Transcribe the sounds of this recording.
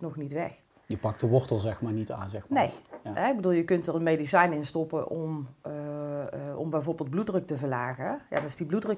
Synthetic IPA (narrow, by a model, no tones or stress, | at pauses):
nɔxnitʋɛx | jəpɑk̚tdəʋɔɹtəlˠzɛxmaːɹnita̰ːnzɛxnḛjɦɛɪɡbəduːlˠjəkɵntərənmejdisɛjnɪnstɔpəʔɔm | ɔ̰mbɛjvoːrbɪːlˠd̚bludrøk̚təvəɹlaːɣəja̰dnɪsdibludrøk